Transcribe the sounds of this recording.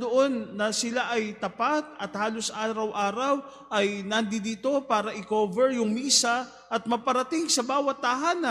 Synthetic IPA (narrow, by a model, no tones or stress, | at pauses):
d̪oʔo̞nːɐsɪlaʔɐjt̪ɐpat̪̚ɐt̪haːlosʔaːɾɐwʔaːɾɐw | ʔɐjnɐnd̪ɪd̪iːt̪o̞paːɾɐʔɪkoːvɛɹjʊŋmiːsɐ | ʔɐt̪̚mɐpɐɾɐt̪ɪŋsɐbaːwɐt̪̚ːɐɦaːnɐ